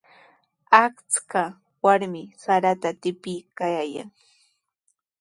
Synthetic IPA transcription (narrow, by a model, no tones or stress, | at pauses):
akt͡ska | waɾmɪsaɾat̪at̪ɪpɪjkajaja̰ŋ